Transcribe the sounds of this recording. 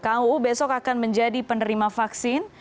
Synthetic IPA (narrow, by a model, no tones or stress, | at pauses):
kawbesɔkakanməɲd͡ʒadipənəɾimafaksɪn